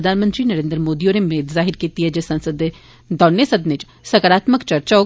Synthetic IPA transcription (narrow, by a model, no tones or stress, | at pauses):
d̪ʱaːnmə̃nt̪ɾinɐɾẽːnd̪ɾəmoːd̪ionemeːt̪zaːɦɪɾkiːt̪iɦɛd͡ʒesɐ̃nsəd̪e | d̪ɔːnjəsɐd̪net͡ʃ | sɐkəɾaːt̪məkt͡ʃɐɾt͡ʃaɦoː